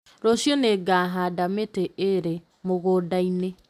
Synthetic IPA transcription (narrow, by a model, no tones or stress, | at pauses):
ɾosjɔneɡaɦadameteeɾe | moɣodaine